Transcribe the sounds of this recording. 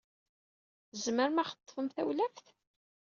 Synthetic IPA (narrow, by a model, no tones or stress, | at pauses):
zməɾmæχə̥t̪ˤːfəmθæwlæfθ